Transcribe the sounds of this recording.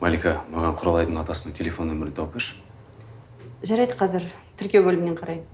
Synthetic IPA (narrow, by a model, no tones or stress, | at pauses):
mɑlʲikamɑʁɑɴqʰʊɾɑlˠɑjd̪əɴɑt̪ɑsənəɴtʲʰe̞lʲefo̞nwɵmɪɾɪt̪ʰowpʲeʃ | ʒɑɾɑjd̪əqʰɑzɪɾt̪ʰʏɾkʲe̞wbɵlɪmɪne̞ɴqʰɑɾɑjd̪ə